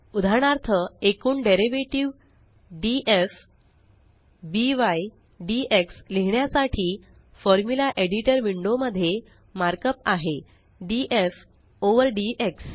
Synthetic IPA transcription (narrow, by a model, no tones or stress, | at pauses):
ud̪ʱaɳaɾt̪ʰəekuːɳɖeɾiʋeʈiʋ | ɖiʔef | biʋaj | ɖieksleɦɳjasaʈʰiː | fɔɾmjulaʔeɽiʈəɾʋiɳɖoməd̪ʱːje | maɾkəpaɦe | ɖiʔef | oʋəɾɖieks